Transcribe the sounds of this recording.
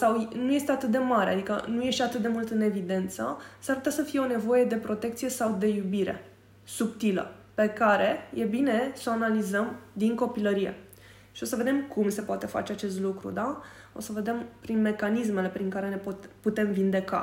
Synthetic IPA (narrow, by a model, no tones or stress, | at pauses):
sawnuje̞st̪e̞at̪ɨt̪̚d̪e̞maɾea̰d̪ikə̰nuje̞ʃt̪at̪ɨt̪̚d̪e̞mult̪ɨne̞vid̪e̞nt̪sə̰saɾput̪jasəfije̞o̞nevo̞je̞d̪e̞pɾo̞t̪e̞k̚t̪sije̞sawd̪e̞jubiɾe̞̰ | supt̪ilə̰ | pe̞kaɾe̞je̞bine̞so̞analizəmd̪iŋko̞piləɾije̞̰ | ʃio̞səve̞d̪e̞mkʰumse̞poat̪e̞fa̰t͡ʃeat͡ʃe̞st̪lukɾṵd̪a | o̞̰səve̞d̪e̞mpɾinme̞kanisme̞le̞pɾiŋkaɾe̞ne̞poput̪e̞mvind̪e̞ka̰